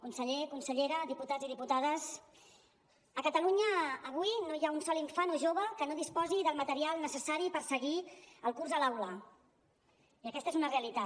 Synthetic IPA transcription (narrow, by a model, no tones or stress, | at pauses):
kunsəʎekunsəʎeɾəd̪iput̪aziðiput̪að̞əs | əkət̪əluɲəːβ̞ujnojaunsɔliɱfanoʒoβ̞əkənoðispɔziðəlˠmət̪əɾialˠnəsəsaɾipəɾsəɣiəlˠkurzðəlawlə | iəkɛst̪ezunəreəlit̪a